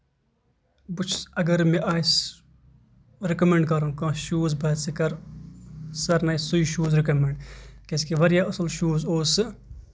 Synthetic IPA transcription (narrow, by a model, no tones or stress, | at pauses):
but͡ʃʰɐɡɐɾmẽʔaːs | ɾɪkɐmẽɳɖkɐɾũːkãːʃuːzbɐːt̪sikɐɾ | sɐɾnaːisuiʃuːzɾɪkɐmeɳɖkeskiʋɐɾjaɐsəlʃuːzoːsɨ